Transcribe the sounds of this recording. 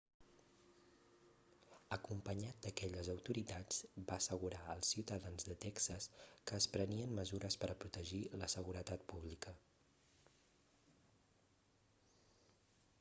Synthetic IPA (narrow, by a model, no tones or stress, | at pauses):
əkumpəɲat̪̚d̪əkɛʎəzəwt̪uɾit̪ad͡zbaəsəɣuɾaəlˠsiwt̪əðanzðət̪ɛksəskəːspɾəniənməzuɾəspəɾəpɾut̪əʒiləsəɣuɾət̪at̪̚puβlikə